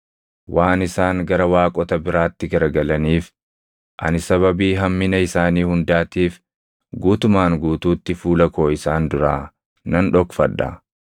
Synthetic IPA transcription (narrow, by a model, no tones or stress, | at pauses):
wʔaːnɪsaːŋɡɐɾɐwaːkʼɔt̪ɐbɪɾaːt̪ːɪɡɐɾɡɐlɐniːf | ʔɐ̰nɪsɐβɐbiːɦɐmːɪnɐɪsaːniːhʊnd̪aːt̪iːf | ɡuːt̪ʊmaːŋɡuːt̪uːt̪ːɪfuːlɐko̞ːɪsaːnd̪ʊɾaː | nɐnᶑɔkfɐᶑɐ̰